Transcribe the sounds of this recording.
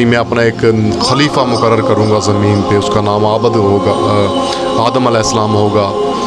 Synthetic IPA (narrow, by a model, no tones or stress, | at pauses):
imɛ̃ːɐpnaɪkxəliːfamʊkəɾːəɾkəɾũːŋɡaːzɐmiːnpeʊskanaːmaːbəd̪ɦoːɡ | aːd̪əməlɛːɦɪsəlaːmɦoːɡaː